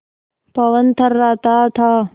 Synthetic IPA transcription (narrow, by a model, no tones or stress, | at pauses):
pɐʋənt̪ʰɐɾːaːt̪aːt̪ʰaː